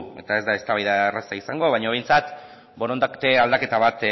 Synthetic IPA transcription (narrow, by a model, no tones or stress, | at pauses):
e̞̰t̪ae̞zd̪ae̞st̪aβajðaerasaisaŋɡo̞β̞ajɲoβ̞e̞jnt͡sat̪ | bo̞ɾond̪akt̪eald̪ake̞t̪aβat̪